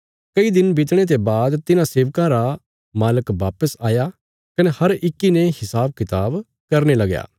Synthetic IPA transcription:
kɐid̪ɪnbɪt̪ɽ̃et̪̬ebaːd̪t̪ɪnãseːʋkãɾa | maːləkʋaːpəsaːja | kɐnehɐɾɪkːinehɪsaːb̚kɪt̪aːb | kɐɾnelɐɡja̰ː

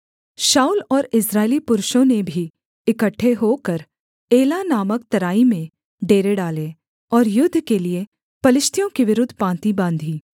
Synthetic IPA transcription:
ʃaːulɔːɾɪsɾaːelipʊɾʃõnebʱi | ɪkəʈʰːeɦokəɾ | eːlanaːmək̚t̪ɐɾaːimẽ | ɖeːɾeɖaːle | ɔːɾjʊd̪ʱːkelie | pɐlɪʃt̪ʰjõkiʋɪɾʊd̪ʱːpãːnt̪ibãːnd̪ʱiː

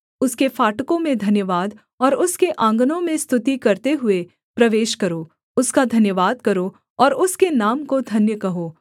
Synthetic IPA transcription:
ʊskefaːʈkõmẽd̪ʱɐnjəʋaːd̪ | ɔːɾʊskeʔãːŋɡnõmẽst̪ʰʊt̪ikɐɾt̪eɦʊe | pɾɐʋeːʃkɐɾoː | ʊskad̪ʱɐnjəʋaːd̪̚kɐɾo | ɔːɾʊskenaːmkod̪ʱɐnjəkɐɦoː

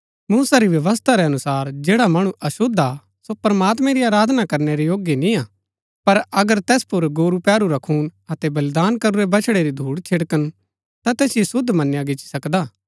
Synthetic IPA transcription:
muːsaɾiʋjɐʋəs̬t̪ʰaɾeɐnʊsaːɾd͡ʒeːɽamɐɽ̃ũʔɐsʊd̪ʱa | sopɾɐmaːt̪mɛ̃ɾiaːɾaːd̪ʱnakɐɾneɾejoːɡjenĩa | pɐɾɐɡəɾt̪ɛːspʊɾɡoːɾupɛːɾuɾɐkʰuːnɐt̪ɛbɐld̪aːnkɐɾuɾebɐt͡ʃʰɽeɾid̪ʱuːɽt͡ʃʰeɽkən | t̪at̪ɛːsjisʊd̪ʱmɐnjãɡɪt͡ʃi̥sɐkd̪aː

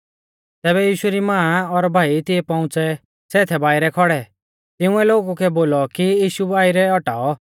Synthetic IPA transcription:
t̪ɛːβɛjiːʃuɾimãːɔɾbʱaːit̪ɪɛpɐ̃ʊ̃t͡sɛ | sɛːt̪ʰɛbaːɪɾɛkʰɔɽɛ | t̪ɪũɛloːɡukɛboːlɔkijiːʃubaːiɾɛɔʈaːɔ

